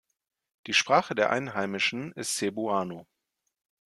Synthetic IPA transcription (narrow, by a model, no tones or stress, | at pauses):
d̥iːʃpʁ̥aːχədeːɐʔa̰ɪnɦaɪmɪʃn̩ɪstz̥ebuaːno